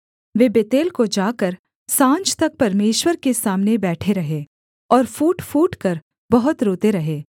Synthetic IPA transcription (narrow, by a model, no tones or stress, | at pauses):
ʋeːbet̪eːlkod͡ʒaːkɐɾ | sãːɲt͡ʃt̪ɐk̚pɐɾmeːʃwəɾkesaːmnebɛːʈʰeɾɐɦe | ɔːɾfuːʈfuːʈkɐɾ | bɐɦʊt̪ɾoːt̪eɾɐɦeː